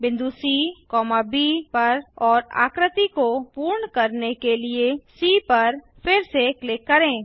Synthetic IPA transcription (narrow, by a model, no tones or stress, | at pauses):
bɪ̃nd̪uːsikɔːmabipɐɾɔːɾa̰ːkɾət̪ikopuːɾɳkɐɾnekeliesiːpɐɾ | fʰɪɾseklekːɐɾẽː